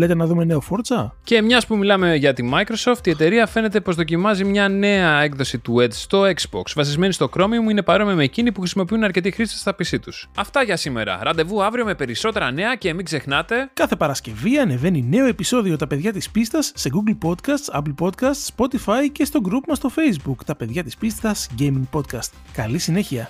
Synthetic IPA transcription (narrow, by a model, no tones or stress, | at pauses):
let̪enɐðume̞ne̞ofoɾt͡sɐce̞mɲɐspumilɐme̞ʝɐt̪imɐikɾo̞so̞ft̪ie̞t̪e̞ɾiɐfe̞ne̞t̪e̞po̞zðo̞cimɐzimɲɐne̞ɐe̞kðo̞sit̪ue̞d̪st̪o̞eksbo̰ksvɐsizme̞nist̪o̞kɾo̞miomuine̞pɐɾo̞mimeːcinipuxɾisimo̞piunɐɾce̞t̪ixɾisi̥st̪ɐpisit̪usɐft̪ɐʝɐsime̞̰ɾɐ̰ɾɐnd̪e̞vuɐvɾio̞me̞pe̞ɾiso̞t̪e̞ɾɐne̞ɐce̞ːmiɡze̞xnɐt̪e̞kɐθe̞pɐɾɐsce̞viɐne̞ve̞nine̞o̞e̞piso̞ðio̞t̪ɐpe̞ðʝɐt̪ispist̪ɐsːeɡuɡlpo̞t̪kɐst̪sɐplpo̞t̪kɐst̪spo̞t̪ifɐjce̞st̪o̞ɡɾupmɐst̪o̞fe̞jzbukt̪ɐpe̞ðʝɐt̪ispist̪t̪ɐsɟemiŋɡpo̞t̪̚kɐst̪ | kɐlisine̞çiɐ